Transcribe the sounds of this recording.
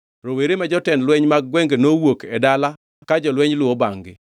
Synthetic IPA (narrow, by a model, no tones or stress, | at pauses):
ɾoweɾemad͡ʒɔtɛnlwɛɲmaɡ̚ːwɛŋɡenowokedala | kad͡ʒɔlwɛɲlwɔbaŋɡɪ̰